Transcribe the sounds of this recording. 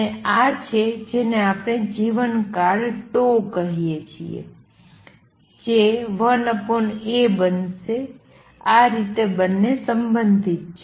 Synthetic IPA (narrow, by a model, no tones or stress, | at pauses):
eat͡ʃʰed͡ʒeneapɳed͡ʒiʋənkaɾʈokəɦijet͡ʃʰḭḛ | d͡ʒeʋənəpoɳebənʃe | aɾit̪ebənːesəmbənd̪ʱit̪̚t͡ʃʰe